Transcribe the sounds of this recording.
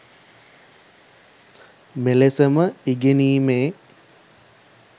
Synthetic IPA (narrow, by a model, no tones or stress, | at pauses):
melesəməiɡeniːmeː